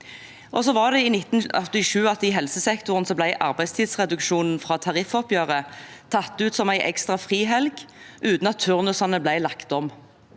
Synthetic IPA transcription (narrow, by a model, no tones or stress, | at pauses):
ʔɔsɔʋɑʁd̪ɛiːnɪt̪nɔt̪ɪʃʉːɑt̪ɪɦɛlsəsɛkt̪ʊʁənsɔblæɪʔɑ̰ʁbæɪst̪ʰiːd̪sʁɛd̪ʉkʃuːnn̩fʁɑːt̪ʰɑʁɪfɔpjøːʁət̪ʰɑt̪ːʉːt̪sɔmæɪʔɛ̰kst̪ʁɑfʁiːɦɛlɡʔʉːt̪n̩ɑt̪ʰːʉʁnʉsɑnəblæɪlɑkt̪ɔm